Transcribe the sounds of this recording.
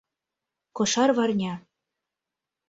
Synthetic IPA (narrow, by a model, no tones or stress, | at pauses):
kɤ̆ʃɑrβɑrnʲɑ